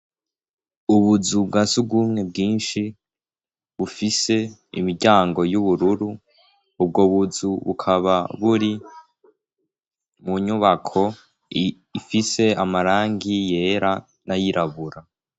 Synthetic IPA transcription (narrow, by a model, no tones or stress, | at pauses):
uβuzub̚ɡasubɡuːmŋe̞b̚ɡiːnʃi | βufise̞ḭmiɾɟaːŋɡo̞juβuɾuɾuː | bɡoβuzuβukʰaβaβuɾi | muɲuβakʰo̞ | ifise̞amaɾaːŋɡije̞ːɾa | najiɾaβuɾa